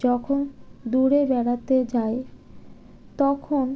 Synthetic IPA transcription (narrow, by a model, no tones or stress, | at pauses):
d͡ʑɔkʰond̪uɾebɛɽat̪ed͡ʑae | t̪ɔkʰon